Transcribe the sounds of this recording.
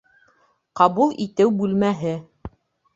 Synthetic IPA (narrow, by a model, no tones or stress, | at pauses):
qɑβulˠʔit̪ɘwbʉlmæɦɘ